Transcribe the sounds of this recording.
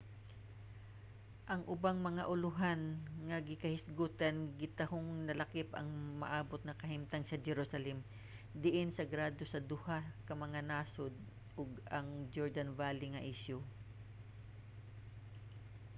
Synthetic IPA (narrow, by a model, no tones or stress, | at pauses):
ʔɐŋʔʊbaŋmɐŋaʔʊlʊɦanŋɐɡɪkɐhɪsɡuːt̪ɐnɡɪt̪ɐhoŋnɐlɐkɪpɐ̰ŋmɐ̰ʔaːbot̪̚ŋɐkɐɦɪmt̪ɐŋsɐd͡ʒɛɾusɐlɛm | d̪ɪʔɪnsɐɡɾaːd̪osɐd̪ʊhakɐmɐŋanaːsod̪̚ | ʔʊɡɐŋd͡ʒoɹd̪ɐnvaːlɪŋɐʔɪʃjo